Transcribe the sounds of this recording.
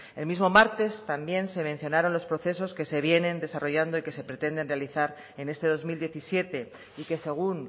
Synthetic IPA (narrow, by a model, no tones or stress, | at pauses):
e̞lmizmo̞maɾt̪e̞st̪ambje̞nse̞mẽn̟θjo̞naɾo̞nlospɾo̞θe̞s̬o̞ske̞se̞βje̞nẽ̞nd̪e̞saro̞ʝand̪o̞ike̞se̞pɾe̞t̪e̞nd̪e̞nrealiθaɾ | e̞ne̞st̪e̞ð̞o̞zmild̪je̞θisje̞t̪e̞ | ike̞se̞ɣ̞un